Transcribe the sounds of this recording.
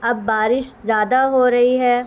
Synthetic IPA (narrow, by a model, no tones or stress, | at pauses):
ɐbːaːɾɪʃzjaːd̪aɦoːɾɐɦiɦɛː